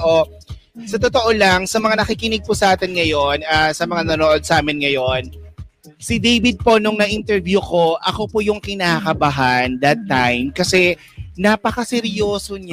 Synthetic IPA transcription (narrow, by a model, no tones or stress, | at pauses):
ʔo | sɐt̪ot̪oʔolɐŋsɐmɐŋanɐkɪkɪnɪɡ̚pʊsɐʔaːt̪ɛnŋɐjo̞nasɐmɐŋanɐnoːʔod̪̚sʔaːmɪnŋɐjo̞n | sɪd̪ejbɪd̪̚po̞nʊŋnɐʔɪnt̪ɛɹvjuko̞ʔɐko̞pojʊŋkɪnaːkɐbɐɦand̪ɐt̪ːajmkɐsɛ | napɐkɐsɛɾjoːsoɲa